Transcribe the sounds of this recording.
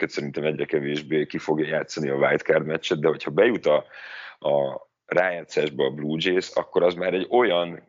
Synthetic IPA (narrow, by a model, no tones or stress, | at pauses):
køt̪sɛɾint̪ɛmɛɟrɾɛkɛveːʒbeːkifo̞ɡjɒjaːt̪sːɒniɒvajt̪kaːrd̪mɛt͡ʃːɛd̪̚d̪ɛɦo̞cʰhɒbɛjut̪ɒ | ɒ | raːjaːt̪saːʒbɒːbluːd͡ʒeːsɒ̰kːo̞ɾɒzmaːɾɛɟo̞jɒn